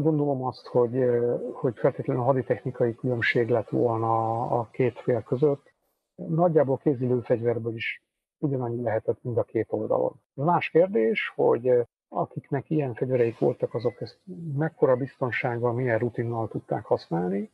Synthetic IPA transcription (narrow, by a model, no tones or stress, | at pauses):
ɡo̞nd̪o̞lo̞mɒst̪ho̞ɟho̞ɟfɛlt̪eːt̪lɛnːlɦɒd̪it̪ɛxnikɒjikylø̞mʃeːɡlɛt̪ʋo̞̰lnɒ̰ːkeːt̪feːlkø̞zøt̪ː | nɒɟːaːbolkeːziløːfɛɟvɛrbøːliʃ | uɟɒnɒɲːilɛɦɛt̪ɛt̪ːmind̪ɒkeːt̪o̞ld̪ɒ̰lo̞̰nɛzmaːʃkeːrd̪eːʃho̞̰ɟ | ɒ̰kiknɛkijɛɱfɛɟvɛɾɛjikʋo̞̰lt̪ɒkɒzo̞kɛst̪mɛkːo̞ɾɒbist̪o̞nʃaːɡɒmijɛrrut̪inːɒlt̪ut̪ːa̰ːkhɒsnaːlni